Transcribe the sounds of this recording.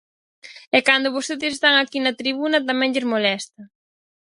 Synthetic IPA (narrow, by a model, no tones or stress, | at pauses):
ɛkand̪ʊβost̪eðɪsest̪aŋakinɐt̪ɾiβunɐt̪amɛ̃ŋʎɪzmolɛst̪ɐ